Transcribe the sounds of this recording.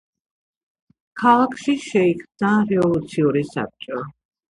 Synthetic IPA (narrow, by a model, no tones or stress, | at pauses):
kʰalˠakʰʃiʃɛikʰmd̪aɾɛvɔlˠut̪sʰiuɾisa̰p̚t͡ʃʼɔ